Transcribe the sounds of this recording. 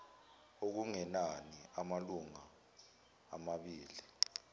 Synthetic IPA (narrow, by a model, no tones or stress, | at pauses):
ok̬uŋɛnaniamaluŋa̰ː | maɓiːli